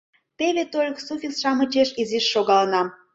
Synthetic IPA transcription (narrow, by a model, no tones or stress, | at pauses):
t̪eβet̪olʲksufʲisʃɑmət͡ʃeʃiziʃːoɣɑlənɑ